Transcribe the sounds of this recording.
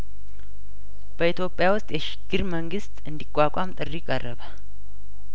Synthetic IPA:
b̥əit̪ʰjo̞pʼːjawʊst̪ʼjɛʃɪ̥ɡ̥ɨɾməŋɡɨst̪ʼɨnd̪ikʷʼːakʷʼamt̪ʼɨrikʼərːəβə

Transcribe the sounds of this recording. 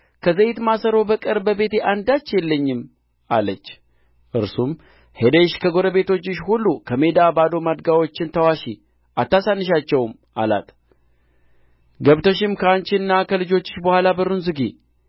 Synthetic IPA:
kʰəzəjɪt̪masəɾo̞bəkʼəɾbəbe̞t̪eʔand̪at͡ʃːjɛlːəɲːɪm | a̰lət͡ʃː | ʔɨɾsum | he̞d̪ejʃkʰəɡo̞ɾəβe̞t̪ʰo̞t͡ʃːɪʃhulːukʰəme̞d̪abad̪o̞mad̪ɡawo̞t͡ʃːɪnt̪ʰəwaʃi | ʔat̪ːasanːɨʃ̬at͡ʃːɛwm | ʔa̰la̰t̪ʰ | ɡəβt̪ʰoʃ̬ɪmkʰəant͡ʃɪnːakʰəlɨd͡ʒo̞t͡ʃːɪ̥ʃbəhʷalabəɾunzɨɡi

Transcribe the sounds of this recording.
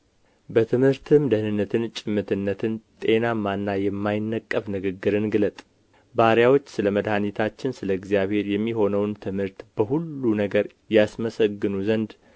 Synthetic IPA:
bət̪ʰɨmhɨɾt̪ʰɨmd̪əhnɨnːət̪ʰɨnt͡ʃʼɪmːɨt̪ʰɨnːət̪ʰɨnt̪ʼe̞namanːajɛmːajɪnːəkʼːəfnɨɡɨɡːɨɾɨnɡɨlət̪ʼ | baɾjawo̞t͡ʃːsɨləməd̪hanit̪ʰat͡ʃːɪnsɨləɨɡzijaβhe̞ɾjɛmːiɦo̞nəwnt̪ʰɨmhɨɾt̪b̥əɦulːunəɡəɾ | jasməsəɡːɨnuzənd̪

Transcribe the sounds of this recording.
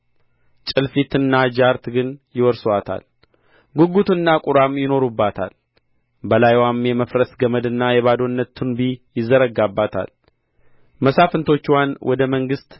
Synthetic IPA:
t͡ʃʼɨlfit̪ɨnːad͡ʒaɾt̪ɡɨnjɪwɔɾswat̪ʰa̰l | ɡuɡut̪ɨnːakʼuɾamjɪno̞ɾubːat̪ʰa̰l | bəlajwamjɛməfɾəsɡəməd̪ɨnːajɛβad̪o̞nːət̪ʰːunbijɪzːəɾəɡabːat̪ʰa̰l | məsafɨnt̪ʰo̞t͡ʃːwanwɔd̪əməŋɡɨst̪

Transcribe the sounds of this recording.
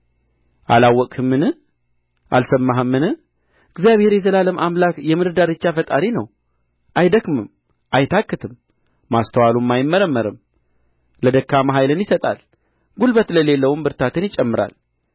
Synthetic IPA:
ʔalawːɔkʼɨmːɨnɨ | ʔa̰lsəmːaɦɨmːɨnɨ | ɨɡzijaβhe̞ɾjɛzəlaləmʔamlakjɛmɨɾɨd̪aɾɨt͡ʃːafət̪ʼaɾinəw | ʔajd̪əkmɨm | ʔajt̪ʰakʼːɨt̪ʰɨmː | ast̪ʰəwalumːajɪmːəɾəmːəɾɨm | ləd̪əkːaməɦajlɨnjɪsət̪ʼa̰l | ɡulbət̪ləle̞lːəwumbɨɾt̪ʰat̪ʰɨnjɪt͡ʃʼɛmːɨɾa̰l

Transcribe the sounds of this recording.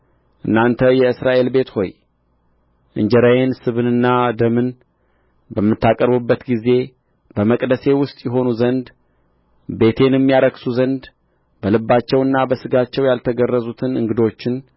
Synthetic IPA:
ʔɨnːant̪ʰəjɛɨsɾaʔe̞lbe̞t̪ho̞j | ʔɨɲd͡ʒəɾajensɨβɨnɨnːad̪əmɨn | bəmːɨt̪ːakʼəɾbɨbːət̪ɡize̞ | bəməkʼd̪əse̞wʊst̪ʼjɛɦo̞nuzənd̪ | be̞t̪ʰe̞njɛmːijaɾəksuzənd̪ | bəlɨbːat͡ʃːɛwɨnːabəsɨɡat͡ʃːɛwjalt̪ʰəɡərːəzut̪ʰɨnɨŋɡɨd̪o̞t͡ʃːɪn

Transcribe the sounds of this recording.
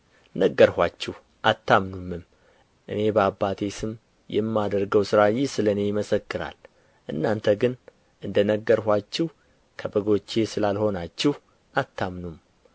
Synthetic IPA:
nəɡːəɾhʷat͡ʃːɛh | ʔat̪ːamnumːɨm | ʔɨ̰ne̞bəabːat̪ʰe̞sɨm | jɛ̰mːad̪əɾɡəwsɨɾajɪsɨləne̞jɪməsəkːɨɾa̰l | ʔɨnːant̪ʰəɡɨn | ʔɨnd̪ənəɡːəɾhʷat͡ʃːɪh | kʰəbəɡo̞t͡ʃːesɨlalho̞nat͡ʃːɪh | ʔat̪ʰːamnum

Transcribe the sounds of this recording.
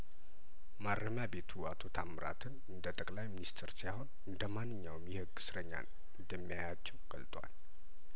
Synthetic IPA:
maɾːəmjabe̞t̪ʰuat̪ʰo̞t̪ʰamɨɾa̰t̪ʰɨnɨnd̪ət̪ʼəkʼlajminist̪ʰɾsajho̞nɨnd̪əmanːɨɲːawmjɛhɨɡɨ̥sɾəɲːa̰n | ɨnd̪əmːijajat͡ʃːɛwɡʼəlt̪ʼwa̰l

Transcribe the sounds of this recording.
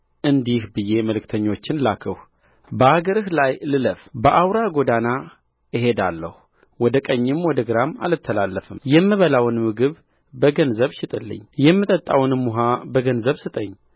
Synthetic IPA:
ʔɨnd̪ihbɨje̞məlɨkt̪ʰəɲːo̞t͡ʃːɪnlakʰəh | bəʔaɡəɾɨhlajlɨləfbəʔawɾaɡo̞d̪ana | ɨɦe̞d̪alːə̰hu | wɔd̪əkʼəɲːɪmwɔd̪əɡɨɾama̰lɨt̪ʰːəlalːəfɨmjɛmːɨβəlawnmɨɡɨβ | bəɡənzəβʃɪt̪ʼɨlːɨ̰ɲːjɛmːɨt̪ʼət̪ʼːa̰wnmːuɦabəɡənzəβsɨt̪ʼəɲː

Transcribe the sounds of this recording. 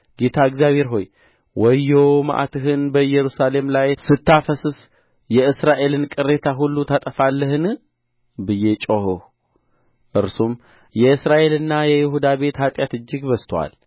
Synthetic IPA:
ɡ̥e̞t̪ʰaɨɡzjaβhe̞ɾɦo̞j | wɔjːowma̰ʔa̰t̪ʰɨɦɨnbəjːɛɾusale̞mlajsɨt̪ːafəsɨs | jɛɨsɾaʔe̞lɨnkʼɨɾːe̞t̪ʰaɦulːut̪ʰat̪ʼəfalːəɦɨn | bɨjet͡ʃʼohɨh | ʔɨɾsum | jɛɨsɾaʔe̞lɨnːajɛjɪɦud̪abe̞t̪hat̪ʼjat̪ɨd͡ʒːɪɡbəst̪ʰwa̰l

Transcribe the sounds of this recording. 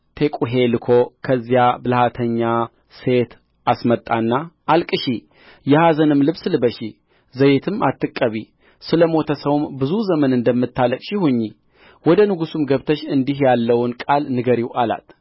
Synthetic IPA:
t̪ʰe̞kʼuɦe̞lɨkʰo̞kʰəzːijabɨlhat̪ʰəɲːa | se̞t̪ | asmət̪ʼːanːa | alkʼɨʃi | jɛhazənɨmlɨβslɨbəʃi | zəjet̪ʰɨmat̪ːɨkʼːəβi | sɨləmo̞t̪ʰəsəwmbɨzuzəmənɨnd̪əmːɨt̪ʰːaləkʼʃɪhuɲːi | wɔd̪ənɨɡusumɡəβt̪ʰəʃɨnd̪iɦjalːəwnkʼalnɨɡəɾiwʔala̰t̪

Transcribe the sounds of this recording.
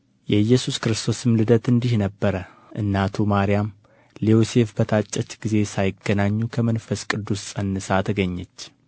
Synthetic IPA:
jɛjːɛsuskɾɨst̪ʰo̞sɨmlɨd̪ət̪ɨnd̪ihnəbːəɾə | ʔɨ̰nːat̪ʰumaɾijam | liose̞fbət̪ʰat͡ʃʼːɛt͡ʃʼːɡ̥ize̞sajɪɡənaɲːukʰəmənfəskʼɨd̪ːussʼənːɨsat̪ʰəɡəɲːɛt͡ʃː

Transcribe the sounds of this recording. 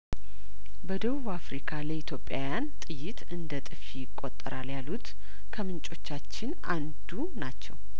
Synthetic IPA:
bəd̪əβuβafɾikʰaləit̪ʰjo̞pʼːja̰wjant̪ʼɨjːɪt̪ʰʼɨnd̪ət̪ʼɨfijɪkʼːo̞t̪ʼːəɾaljalut̪ | kʰəmɨnt͡ʃʼo̞t͡ʃːat͡ʃːɪn | and̪u | nat͡ʃːɛw

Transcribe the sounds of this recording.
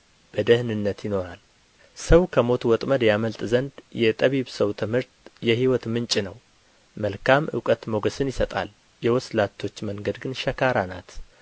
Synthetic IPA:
b̥əd̪əhnɨnːət̪jɪno̞ɾal | səwkʰəmo̞t̪wɔt̪ʼməd̪jaməlt̪ʼzənd̪jɛt̪ʼəβiβsəwt̪ʰɨmhɨɾt̪jɛhiwɔt̪mɨnt͡ʃʼɪnəw | məlkʰamʔɨ̰wkʼət̪moɡəsɨnjɪsət̪ʼa̰l | jɛwɔslat̪ʰːo̞t͡ʃːməŋɡəd̪ɡɨnʃɛkʰaɾanat̪

